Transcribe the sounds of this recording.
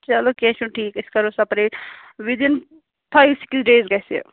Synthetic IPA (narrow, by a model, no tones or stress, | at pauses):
t͡ʃɐlokeʃunʈʰiːkɪskɐɾosɐpɾeʋid̪in | pʰaːjʋsi̥ksɖeːzɡɐsḛ